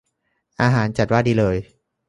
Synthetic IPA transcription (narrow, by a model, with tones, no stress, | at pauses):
ʔaː˧ɦaː˩˦nt͡ɕa˨˩waː˥˩diː˧lɤː˧j